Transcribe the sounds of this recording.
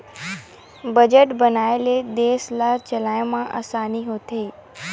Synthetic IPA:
bəd͡ʒəʈbənaeled̪eːslaɾt͡ʃəlajmãʔa̰saːniɦot̪ʰei

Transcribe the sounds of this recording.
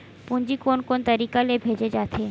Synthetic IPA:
pund͡ʒikonkont̪əɾikalebʱed͡ʑed͡ʒat̪ʰe

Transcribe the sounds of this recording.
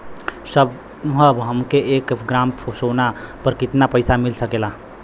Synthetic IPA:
səb | ɦəbɦəmkeʔekɡɾampʰosonapəɾkit̪napəjsamilsəkela

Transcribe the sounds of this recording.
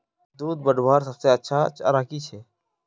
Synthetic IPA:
d̪uːd̪̚bəɖʋaːɾsəbseːətːʃʰaːt͡ʃa̰ɾaːkiːt͡ʃʰeː

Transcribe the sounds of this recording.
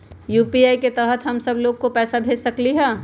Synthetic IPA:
juːpiaːiket̪ɛɦət̪ɦɐmsɐbloːɡ̚kopɛːsabʱeːd͡ʒsɐkliɦɛː

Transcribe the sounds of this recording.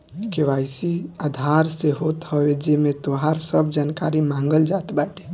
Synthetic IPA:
keʋajsiad̪ʱaɾseɦot̪həwed͡ʒemet̪oɦaɾsəbd͡ʒankaɾimãŋɡəld͡ʒat̪baʈe

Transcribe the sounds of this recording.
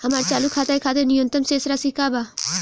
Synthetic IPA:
hɐmaːɾt͡ʃaːlukʰaːt̪ajkʰaːt̪enɪjõnt̪əmseːsɾasikaːba

